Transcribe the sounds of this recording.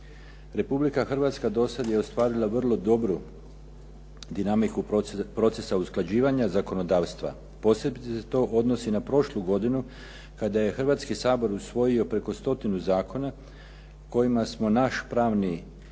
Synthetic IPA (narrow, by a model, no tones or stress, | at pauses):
ɾe̞publikaxr̩ʋat̪skad̪o̞sad̪je̞o̞st̪ʋaːɾilˠaʋrlˠo̞d̪o̞bɾu | d̪inamikupɾo̞t̪se̞sausklˠad͡ʑiːʋaɲazako̞no̞d̪aːʋst̪ʋa̰ | po̞sebit̪eset̪o̞ʔo̞d̪no̞sinapɾo̞ʃluɡo̞d̪inu | kad̪aje̞xrʋaːt̪skisaːbo̞ɾusʋo̞jio̞pɾe̞ko̞st̪o̞t̪inuzaːko̞na | ko̞jimasmo̞naʃpɾaːʋni